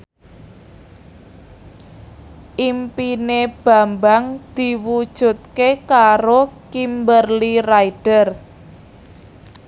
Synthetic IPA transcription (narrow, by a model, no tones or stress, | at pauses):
ʔimpineb̥a̤mbaŋd̪̥i̤wud̥ʒ̥ṳt̪̚kekaɾokimbərliraiɖ̥ər